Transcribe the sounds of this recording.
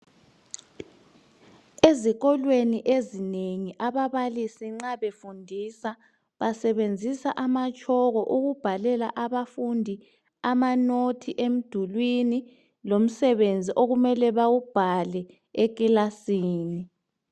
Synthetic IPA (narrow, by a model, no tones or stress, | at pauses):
eziɣɔlweniʔezineŋiʔaβaβalisiŋ͡ǁaβefundʱiːsa | βasɛβend͡zʱisaʔamat͡ʃʼʰɔɣɔʔuɣub̥ʱalɛlaʔaβafundʱi | amanotʰiʔem̩d̥ʱulwini | lom̩sɛβend͡zʱiʔoɣumɛlɛβawub̥ʱalɛ | ek̬ʼilasiːni